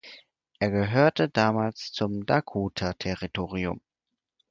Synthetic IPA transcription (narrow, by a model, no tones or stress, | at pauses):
ʔeːɐɡəɦøːɐtədaːmaːlst͡sʊmdakʰuːtʰɐtʰɛʁitʰoːʁiʊ̰m